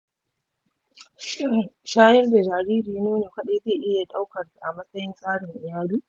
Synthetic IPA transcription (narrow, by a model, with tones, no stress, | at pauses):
ʃɪ˦ŋʃaː˦jɛ˦rda˨d͡ʒaː˨ɾiː˦ɾiː˨nuː˦neː˨kʷɐ˦ɗeː˦zeː˦˨ʔɪ˦ja˨ɗa˦wkɐ˨rsa˨ʔa˨mɐ˦sɐ˦jɪ˦nsʼaː˦ɽɪ˨ŋʔɪ˨jaː˦luː˦